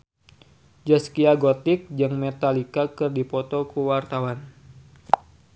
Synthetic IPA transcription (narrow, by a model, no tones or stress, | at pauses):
d͡ʒaskiaɡot̪ɪk̚d͡ʒaŋmɛt̪alikakɨrdipɔt̪ɔkəwart̪awan